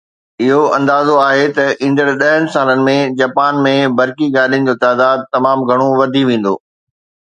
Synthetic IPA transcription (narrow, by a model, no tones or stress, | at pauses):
ɪɦoɐ̃nd̪aːzoaːɦet̪ɐĩːn̆d̪əɽɗɐɦənɪ̆saːlənɪ̆mẽd͡ʑaːpaːnmẽbɐɾkiɡaːliənɪ̆d͡ʑoːt̪aːd̪aːd̪̚t̪ɐmaːmɡʱɐɽ̃oʋɐd̪ʱiʋẽːn̆d̪o̰ː